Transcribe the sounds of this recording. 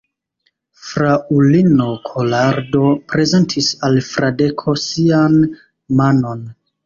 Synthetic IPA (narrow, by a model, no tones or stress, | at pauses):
fɾaulino̞kʰolaɾdo̞pɾe̞ze̞ntʰisalfɾade̞kʰo̞sian | mano̞n